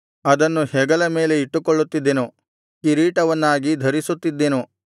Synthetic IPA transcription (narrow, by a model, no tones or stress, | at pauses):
ɐd̪ɐnːuhɛɡɐlɐme̞ːleiʈːukɔɭːut̪ːid̪ːenu | kiɾiːʈɐʋɐnːaːɡid̪ʱɐɾisut̪ːid̪ːenu